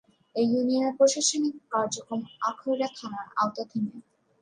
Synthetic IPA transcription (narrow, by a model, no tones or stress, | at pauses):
ejunijoneɾpɾoʃaʃonikkaɾd͡ʑokomakʰojɾat̪ʰanaɾa̰wt̪ad̪ʱime